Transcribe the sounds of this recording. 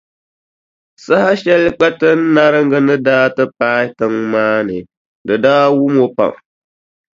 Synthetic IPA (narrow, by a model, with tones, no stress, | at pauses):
sa˦ha˦ʃɛ˦lk͡pɛ˦tɨ˦n˦na˦ɾɨ˦ŋɡɨ˦nɨ˦daː˦tɨ˦paː˦tɨ˦ŋmaː˦nɨ̰˨ | dɨ˨daː˦wu˦mo˦pa̰˨ŋ